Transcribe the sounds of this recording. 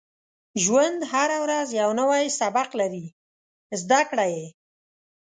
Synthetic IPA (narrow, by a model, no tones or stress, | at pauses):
ʒwand̪haɾawɾazjawnawajsabaqlaɾi | zd̪akɽaje